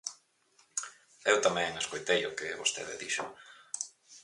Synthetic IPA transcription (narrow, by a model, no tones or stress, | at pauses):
ewt̪amɛ̃ŋŋeskojt̪ejʊkɪβost̪ḛðɪ̰ðiʃʊ̰